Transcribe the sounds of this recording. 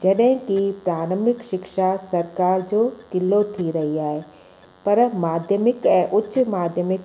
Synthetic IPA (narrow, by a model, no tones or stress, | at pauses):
d͡ʒɐɗɦɪ̃kipɾaːɾə̃mɪkʃɪkʃasɐɾkaːɾd͡ʑoːkɪlːot̪ʰiɾɐɦiaːɦeː | pɐɾmaːd̪ʱjəmɪkɛ̃ːʔʊtːʃmaːd̪ʱjəmɪk